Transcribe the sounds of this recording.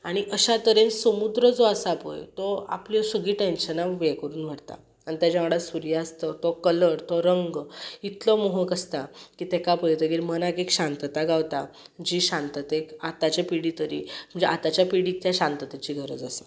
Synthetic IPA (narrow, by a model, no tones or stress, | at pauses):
aɽ̃iʔəɕat̪əɾẽnsəmud̪ɾəd͡zɔasaːpə̰jt̪ɔa̰plɔsəɡiːʈẽnɕənaʋʋekəɾuːnʋ̤aɽt̪a̰ | aɳ̃it̪jad͡ʑaʋəɽasuɾijaəst̪ət̪ɔkələɾt̪ɔɾəŋɡit̪lɔmoɦəkəst̪akit̪ɛkapəjt̪əɡilmənakekɕãnt̪ət̪aɡawt̪ad͡ʑiɕãnt̪ət̪ekat̪at͡ɕjapiɽit̪əɾḭm̤əɳd͡zeʔat̪at͡ɕjapiɽit̪jaɕãnt̪ət̪at͡ɕiːɡʱəɾə̰d͡zasə̥